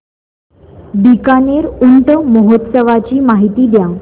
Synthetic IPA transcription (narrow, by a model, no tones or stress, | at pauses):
d̪ikaneɾuɳʈəməɦot̪səʋat͡ɕiːmaɦit̪iːd̪ja